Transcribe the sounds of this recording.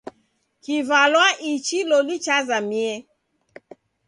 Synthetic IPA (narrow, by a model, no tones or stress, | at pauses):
kivalwaʔit͡ʃilɔlit͡ʃazamiɛ